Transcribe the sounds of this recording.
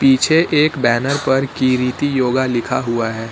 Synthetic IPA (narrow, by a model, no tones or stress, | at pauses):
piːt͡ʃʰeʔeːkbɛːnəɾpɐɾkiːɾit̪ijoːɡalɪkʰaɦʊaɦɛː